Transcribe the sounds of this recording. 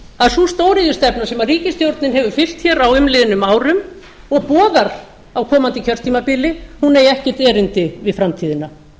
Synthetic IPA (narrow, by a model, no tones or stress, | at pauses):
aðsust̪oːwɾɪðɪst̪ɛpnasɛmariːcɪst̪jowɾt̪nɪnɦɛvʏ̥fɪl̥t̪çɛːɾawʏmlɪðɪnʏmaːwɾʏm | ɔɣpɔːðaɾ̥ | awkʰɔːmant̪ɪcʰœr̥t̪ʰiːmapɪːlɪhunejɛhcɛ̥t̪ɛːɾʏnt̪ɪvɪðfɾamt̪ʰiːðɪna